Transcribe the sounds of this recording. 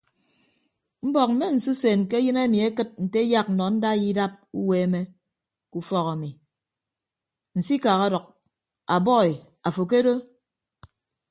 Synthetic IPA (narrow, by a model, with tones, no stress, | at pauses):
m̩˦bɔ˨k̚m̩˦me˦n̩˨su˦seː˨nke˦jɨ˦ne˦mi˨e˦kɨ˦t̚n̩˨te˦ja˦k̚n̩˨nɔ˨˦n̩˦da˦ji˦da˦p̚ṵ˦we˨˦me˦ | ku˨fɔ˦ɣa˨mi˨ | n̩˨si˦ka˨ɣa˦dɔ˨k̚ | a˨bɔ˦i˨ | a˨fo˨k̬e˦do˦